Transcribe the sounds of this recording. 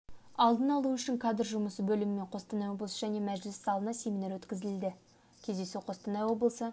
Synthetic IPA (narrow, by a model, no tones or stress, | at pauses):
ɑlˠd̪ənɑlˠuʏʃɪŋkʰad̪əɾʒʊməsəbɵlɪmɪme̞ɴqʰo̞st̪ənɑjwo̞blˠsəʒæne̞mæʒlɪsːɑlˠənɑse̞mʲinɑɾwɵt̪kʲɪzɪld̪ɪ | kʲʰe̞zd̪e̞suqʰo̞st̪ənɑjwo̞blˠəsə